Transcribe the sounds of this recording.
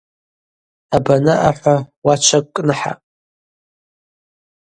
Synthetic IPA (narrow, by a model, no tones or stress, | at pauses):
abanaʔaħʷawat͡ʃʷʰakʷʼkʼnɨħa̰pʼ